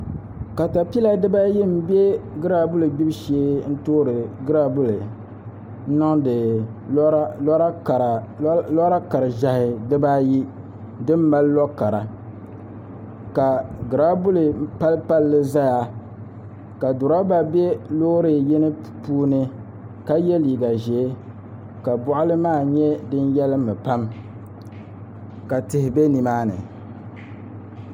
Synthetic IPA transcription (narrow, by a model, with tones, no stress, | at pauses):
ka˨ta˨pi˦la˨dɨ˦ba˦ji˦m̩˦be˦ɡɨ˦ɾa˦bʊ˦lɨ˨ɡ͡bi˦bʃeː˦n̩˦toː˦ɾɨ˨ɡɨ˦ɾa˦bu˦lɨ˨ | n̩˦nɔ˦ŋdɨ˨˦ | a˦˨ɾlɔ˦ɾa˦ka˨ɾɨ˨ʒa˨hɪ˨dɨ˦ba˦ji˦ | dɨ˦m˦ba˦llɔ˦ka˨ɾa˨ | ka˨ɡɨ˨ɾa˦bʊ˦lɨ˨pa˦lpa˦lːɨ˦za˦ja˦ | ka˨dʊ˨ɾa˦ba˦bɛ˦loː˦ɾɨ˨jɛ˦nɨ˦ | puː˦nɨ˦ | ka˦jɛ˦liː˨ɡa˨ʒɛ˨˦ | ka˨bʊ˦ʔʊ˦lɨ˦maː˦˨ɲɛ˦dɨ˦njɛ˦lɨ˦mɨ˨pa˦m | ka˨tɪ˨hɪ˨be˦ni˨maː˦nɨ̰˨